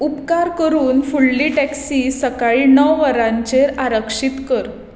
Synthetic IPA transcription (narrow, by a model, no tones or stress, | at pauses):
upkaɾkəɾuːnfuɭːiʈɛksiːsəkaɭinəʋʋəɾãɲt͡ɕeɾaɾəkʂit̪kəɾ